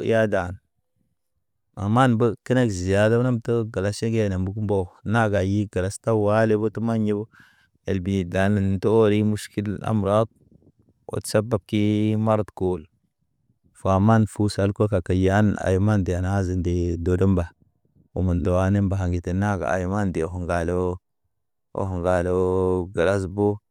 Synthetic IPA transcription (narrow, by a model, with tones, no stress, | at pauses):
ja˦da˨n | a̰˨ma˦nbə˦kə˦ne˦kzi˨ja˨da˦na˦mtə˦ɡa˨la˨ʃe˦ɡe˦˨ne˨mbu˦ku˦m˦bo˦˨na˦ɡa˨ji˦ɡa˨la˨˦sta˦wa˦le˦bo˦tu˦ma˦nje˦bo˦ | e˨lbi˨da˨nə˨n˨to˦o˦ɾi˦mu˦ʃki˦la̰˦mɾa˦t̚ | o̰˨tsa˦ba˨b̚ki˦ma˦ɾtko˨l | fa˨ma˦nfu˦sa˦lko˦ka˨ka˨ja˦na̰˨jma˦nde˨a˨na˦zi˨nde˨do˨do˦mba˨ | u˨ma˨ndo˨wa˦ne˦mba˨ɦa˨ŋɡi˨te˨na˦ɡa̰˨a̰˨jma˦nde˨o˨ɦo˨ŋɡa˨lo˦ | o̰˨˦ho˨ŋɡa˨lo˦ɡa˨la˦s̬bo˦